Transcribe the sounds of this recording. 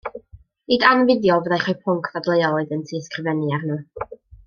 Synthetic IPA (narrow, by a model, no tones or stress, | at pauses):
iːdanvɪdjɔvəðajχɔpʰʊŋkʰvadlˠejɔoɨðəntʰiskrɪvɛniarnuː